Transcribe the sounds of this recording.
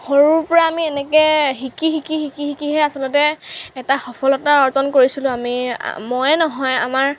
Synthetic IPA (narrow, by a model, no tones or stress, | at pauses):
hoɹuɹpɔɹaːmiɛnɛkɛɦikixikixikihikiɦɛasɔlɔtɛɛtaxɔpʰɔlɔtaɔɹtɔnkoɹisilʊ̃amḭmɔjɛnɔɦɔja̰maɹ